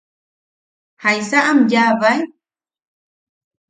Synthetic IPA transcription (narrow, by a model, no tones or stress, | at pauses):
hajsaʔamjaβaj